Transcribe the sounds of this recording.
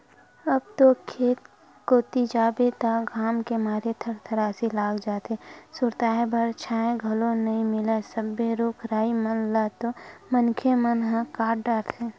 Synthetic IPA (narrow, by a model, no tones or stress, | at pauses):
əb̚t̪okʰeːt̪̚ | koːt̪id͡ʒaːbet̪aɡʱaːmkemaːɾet̪ʰəɾt̪ʰəɾaːsilaːɡd͡ʒaːt̪esʊɾt̪aːebəɾt͡ʃʰaːẽɡʱəlõnɐĩmɪlesəbeɾoːkʰɾaːimənlat̪omənkʰemənɦãkaːɾɖaːɾt̪ʰeː